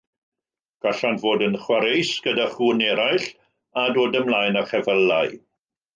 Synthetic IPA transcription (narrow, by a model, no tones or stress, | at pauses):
ɡ̥aɬantvoːdənχwaɾejsɡ̥ədaχuːnɛɾaɨɬ | adoːdəmlˠaːjnaχɛvəlːaɨ